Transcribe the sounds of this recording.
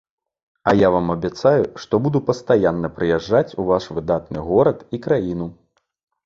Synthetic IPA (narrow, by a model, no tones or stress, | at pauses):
ɐjavamɐbʲat̪sajuʂt̪ɔbud̪upɐst̪ajanːɐpɾɨjaʐːat͡sʲuvaʂvɨd̪at̪nɨɣɔɾɐt̪ikɾajin̪u